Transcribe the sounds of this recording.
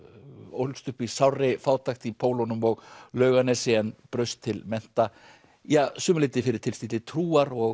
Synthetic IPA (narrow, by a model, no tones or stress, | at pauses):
o̰wlst̪ʏhpisawrɪfaːwt̪axt̪ipʰoːwlɔnʏmɔɣlœːɥɣanɛsɪɛnpɾœɥst̪ʰːɪlmɛn̥t̪a | jaːsʏːmʏlɪjt̪ɪfɪɾɪɾ̥t̪ʰɪlst̪it̪lɪt̪ʰɾuːaɾɔɣ